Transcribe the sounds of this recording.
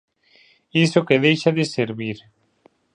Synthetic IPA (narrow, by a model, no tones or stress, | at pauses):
isokeðejʃaðɪseɾβiɾ